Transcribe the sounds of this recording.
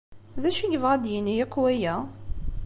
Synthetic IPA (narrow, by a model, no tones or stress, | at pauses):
ðæʃiʝəvʁæd̪jənːijækʷːwæjæ